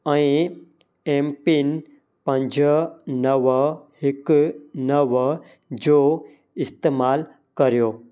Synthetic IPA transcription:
ɐĩ | empin | pə̃ɲd͡ʑənəʋhiknəʋ | d͡ʑo | ist̪eːmaːl | kɐɾjoː

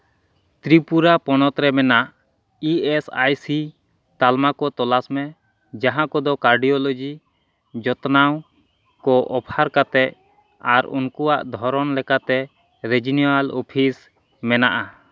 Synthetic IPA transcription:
t̪ɾipuɾapɔnɔt̪ɾɛmɛnaʔ | iesajsi | t̪almakɔt̪ɔlasmɛ | d͡ʒaɦãkɔd̪ɔkaɾɖijɔlod͡ʒi | d͡ʒɔt̪naw | kɔʔɔpʰaɾkat̪ɛʔ̚ | aɾṵnkuwaʔd̪ʱɔɾɔnlɛkat̪ɛ | ɾed͡ʒinialɔpʰis | mɛna̰ʔa

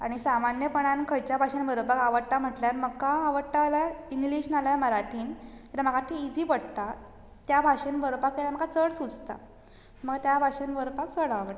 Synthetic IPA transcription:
aɽ̃isamanjəpəɳ̃ãnkʰəɾt͡ɕjabʱaɕənbʱəɾopakaʋəɽʈ̪am̤əʈljaɾməɡkaːʋəɽʈalaiŋɡliɕnalajməɾaʈʰiːnkelam̤əkat̪ʰiid͡ziːpəɽt̪a | t̪jabʱaʂənbʱəɾopakːelam̤əɡat͡səɽsud͡zt̪a̰ | məɡt̪jabʱaʂənbəɾpak̚t͡səɽaʋəʈa

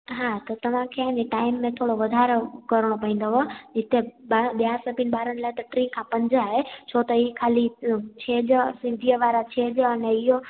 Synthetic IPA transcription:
ɦaːt̪ɐt̪ɐʋ̤ãkʰeaɦĩɲd͡ʑeʈaːɪmːẽt̪ʰoːɽoʋɐd̪ʱaɾokɐɾəɽ̃opɐĩːnd̪oɦod͡ʑɪt̪eɓaɓjasəpinɓaːɾəñlaːɦet̪ɐʈɾĩkʰãpɐ̃ɲd͡ʑaɦet͡ɕʰot̪əikʰaːlit͡ɕʰeːd͡ʑsɪ̃nd̪ʱijəʋaːɾat͡ɕʰeːd͡ʑɐnɛɪɦo

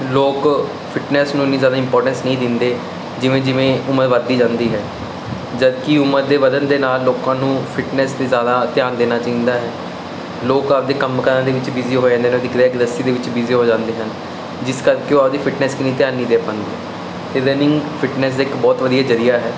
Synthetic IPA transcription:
loːk | pʰɪʈnɛːsnũːniːzjaːd̪aːɪ̃mpɔːɾʈə̃nsnəɦĩːd̪ɪnd̪eː | d͡ʒɪʋẽːd͡ʒɪʋẽːʊməɾʋəd̪ːiːd͡ʒãːnd̪iːɦɛː | d͡ʒəd̪kiʊmːəɾd̪eːʋəd̪ənd̪eːnaːlːoːkãːnũːpʰɪʈnɛːst̪eːzjaːd̪aːt̪ɪjaːnd̪eːnaːt͡ʃaːĩːnd̪aːɦɛː | loːkap̚d̪eːkəmkəɾãːd̪eːʋɪt͡ʃʋiːziːɦoːd͡ʒãːnd̪eːnːd̪ɪkʰd̪eːkd̪əsiːd̪eːʋɪt͡ʃʋiziːɦoːd͡ʒãːnd̪eːɦən | d͡ʒɪskəɾkeːoːap̚d̪iːpʰɪʈnɛːskɪnĩːt̪ɪjãːnːĩːd̪eːpãːnd̪eɛ | t̪eːɾɛːnɪ̃ŋɡpʰɪʈnɛːs̬d̪eːɪkbɔːt̪ʋəd̪ijaːd͡ʒəɾijaːɦɛː

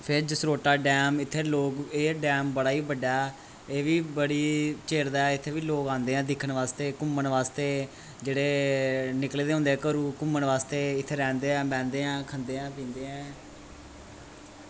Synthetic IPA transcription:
pʰɪɾd͡ʒəsɾoːʈaːɖɛːmɪt̪ʰːeːloːkeːɖɛːmbəɽaːiːbəɖːaːɛ | eːʋiːbəɽiːt͡ʃeːɾd̪aːɛːɪt̪ʰːeːʋiːloːkãːnd̪eːɛ̃ːd̪ɪkʰːəɳʋaːst̪eːkʊməɳʋaːst̪eː | d͡ʒeːɽeːnɪkleːd̪eːɦʊ̃nd̪eːkəɾuːkʊməɳʋaːst̪eːɪt̪ʰːeːɾɛ̃ːnd̪eːɛ̃ːbɛ̃ːnd̪eːɛ̃ːkʰənd̪eːɛ̃ːp̬ĩːnd̪eːɛ̃ː

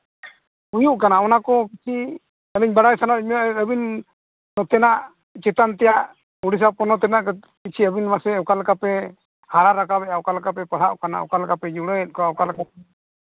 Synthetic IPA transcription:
ujuʔkanaɔnakɔkit͡ʃʰi | əbiɲbaɽajsanaʔməbinː | ɔt̪ɛnaʔ | t͡ʃɛt̪ant̪ɛjaʔ | uɽis̬apɔnɔt̪ɛnaʔk | kit͡ʃʰiəbinmasɛəwkalkapɛ | haɾaɾakabɛawkalkapɛpəɽ̤aʔkanaə̰kalkapɛd͡ʒuɽɔjɛt̪̚ˀkɔawkalkapɛ

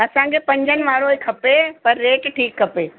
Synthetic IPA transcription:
ɐsãkʰepɐ̃ɲd͡ʑənɪ̆ʋaːɾoekʰɐpepɐɾːeːʈʈʰiːkʰːɐpeː

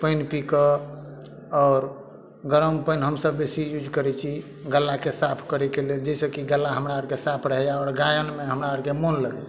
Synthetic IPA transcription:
pənpikə | ɔːɾ | ɡəɾəmpəjnɦəmsəbːesijud͡ʒkəɾɛt͡ʃʰi | ɡəlːakesapʰkəɾɛkeleld͡ʒəsəkiɡəlːaɦəmɾaəɾkesapʰɾəɦjaɔɾɡajənmeɦəmɾaəɾkemonləɡɛ̰

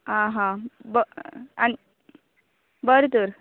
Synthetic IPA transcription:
ãɦãbəani | bəɾt̪uɾ

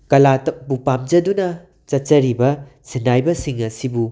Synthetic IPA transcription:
kɐlatɐbupamd͡ʒɐdunɐ | t͡ʃɐtt͡ʃɐɾibɐ | sindajbɐsiŋɐsibu

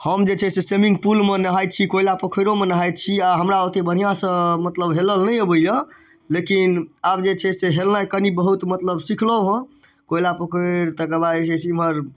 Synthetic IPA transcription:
həmd͡ʒet͡ʃʰɛsesemĩŋɡ̚pulmenəɦajt̪̚t͡ʃʰikoilapəkʰəɾomenəɦajt̪̚t͡ʃʰiaɦəmɾaot̪ebəɽ̤ijãsə̃mət̪ləbɦeləlnəəbəljə | lekinab̚d͡ʒet͡ʃʰɛseɦelnajkənibəɦut̪mət̪ləbsikʰləɦə̃ | koilapəkʰəɾt̪əkəbasesiməɾ

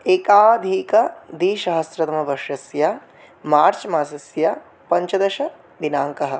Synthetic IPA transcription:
eːkaːd̪ʱiːkɐd̪iːʃɐɦɐsɾɐt̪ɐmɐbɐʃɐsja | maːɾt͡ʃɐmaːsɐsja | pɐɲt͡ʃɐd̪ɐʃɐ | d̪inaːŋkɐɦɐ̆

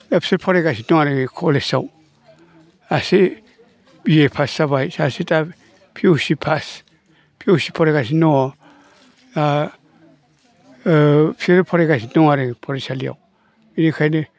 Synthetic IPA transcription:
dapseɾpʰoɾeɡas̬inoŋaɾeŋikʰolesa̰w | asi | bijepʰasːaβajsasita | pʰiusipʰas | pʰiusipʰoɾeɡasinoɔ | a | psiɾpʰoɾeɡas̬inoŋaɾeŋpʰoɾesalia̰w | inikʰajni

